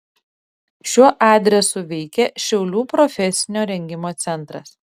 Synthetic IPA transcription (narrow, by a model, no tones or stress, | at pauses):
ʃʲuɔʔɑːd̪ʲɾʲɛsʊʋʲɛɪkʲɛʃʲɛʊlʲuːpɾɔfʲɛsʲɪnʲoːɾʲɛŋʲɡʲɪmoːt̪sʲɛnt̪ɾɐs